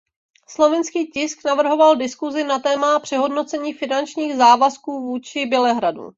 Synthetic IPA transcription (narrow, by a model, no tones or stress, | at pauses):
slo̞vɪnskiːcɪsknavr̩ɦo̞valdɪskuzɪnat̪ɛːmapr̝̥ɛɦo̞dno̞t͡sɛɲiːfɪnant͡ʃɲiːɣzaːvaskuːvuːt͡ʃɪbjɛlɛɦɾadṵ